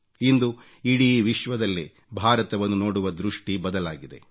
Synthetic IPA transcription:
ind̪u | iɽiʋiʃʋɐd̪ɐlːi | bʱaːɾɐt̪ɐʋɐnːuno̞ːɽuʋɐd̪ɾuʂʈibɐd̪ɐlaːɡid̪e̞̰

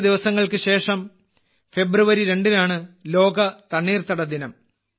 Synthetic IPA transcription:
d̪iʋɐsɐŋːɐɭkɨɕe̞ːʂɐm | fe̞bruʋɐɾiɾe̞ɳɖinaːɳɨlo̞ːɡɐt̪ɐɳːiːrt̪ɐɽɐd̪inɐm

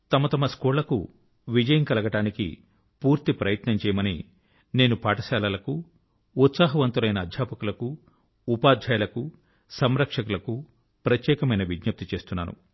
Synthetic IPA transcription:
t̪ɐmɐt̪ɐmɐskuːɾlɐkṵ | ʋid͡ʒɐjɐŋkɐlɐɡɐʈaːnikḭ | puːɾt̪ipɾɐjɐt̪nɐmt͡ʃɛːjɐmɐni | ne̞ːnupaːʈɐsaːlalɐkuː | t̪saːɦɐʋɐnt̪ulɐjnɐːd̪ʱjaːpɐkulɐkuː | paːd̪ʱjaːjɐlɐku | sɐmɾɐkʂɐkulɐku | pɾɐt̪jɛːkɐmɐjnɐʋiɡɲɐp̚t̪it͡ʃe̞ːst̪unːa̰ːnṵ

